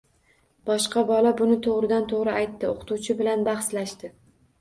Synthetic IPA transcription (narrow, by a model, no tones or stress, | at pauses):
b̥ɒʃqɑbɒlabʊnɪt̪ʰoʁɾɪd̪ant̪ʰoʁɾɪajt̪ːɪoqʰʊ̥t̪uwt͡ʃʰɪbɪlanbaχslaʃt̪ɪ